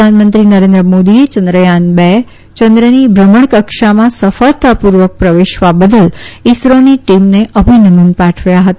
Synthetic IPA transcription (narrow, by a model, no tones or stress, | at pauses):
əanmənt̪ɾinəɾẽnd̪ɾəmod̪iet͡ʃənd̪ɾəjanbɛ | t͡ʃə̃nd̪ɾənibʱɾəməɳkəkʃamãsəfəɭt̪apuɾʋək̚pɾəʋeʃʋabəd̪əlisɾoniʈimneʔəbʱinənd̪ənpaʈʰʋjaɦət̪a